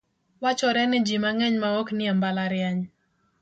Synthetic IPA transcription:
wat͡ʃɔɾɛnɪd͡ʒimaŋɛɲmaɔknɪɛmbalaɾɪɛɲ

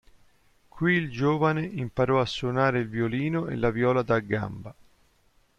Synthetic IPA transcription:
kwiːld͡ʒoːvaneʔimpaɾɔasːonaːɾeilvjoliːnoʔḛlːavjɔːlad̪aɡːa̰mba

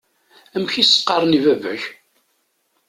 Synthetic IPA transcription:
æmçisə̥qːɑɾˤnivævæç

